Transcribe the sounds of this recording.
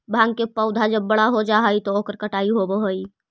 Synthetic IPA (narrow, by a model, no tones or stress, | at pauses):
bʱãŋɡkepəʊd̪ʱad͡ʒəbːəɽaɦod͡ʒaɦəjt̪ɔokəɾkəʈaiɦobəɦəj